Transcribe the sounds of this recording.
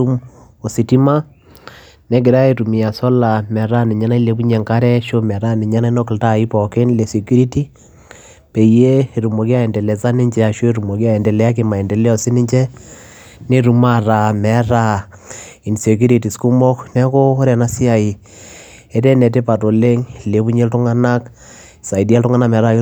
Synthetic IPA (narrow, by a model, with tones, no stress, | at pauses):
u˦m | o˨si˨ti˦ma˦ | nɛ˦ɡe˨ɾa˦e˨ɾu˨mi˨ja˨sɔ˦la˨mɛ˨ɾa˦ni˨ɲa˦na˦i˦le˨˦bu˦ɲɛ˨ŋka˦ɾɛ˦ʃo˦mɛ˨ɾa˦ni˨ɲa˦na˦i˦no˦klta˦˨i˦pɔ˨ke˦nle˨se˨ku˦ɾi˦ti˦ | pe˨je˦˨ɾu˨mo˨kja˦ɛ˨ndɛ˨lɛ˨sa˦ni˦ɲd͡ʒɛ˦a˨ʃwe˦ɾu˨mo˨kja˦ɛ˨ndɛ˨lɛ˨˦a˦k̬ema˨ɛ˨ndɛ˨lɛ˦ɔ˨si˦ni˦ɲd͡ʒɛ˦ | ne˦ɾu˨ma˦ra˨mɛ˨˦ɾa˦˨ | i˨nse˨kju˦ɾi˨ti˨sku˦mɔ˦knɛ˦ko˦ɾɛ˨na˦si˦a˨i˨ | ɛ˦tɛ˦nɛ˨t̬e˦pa˨to˨le˦ŋ˨le˨pu˦ɲe˦ltu˦ŋa˦na˦k | sa˨i˨di˦a˦ltuŋa˦na˦mɛ˨ɾa˦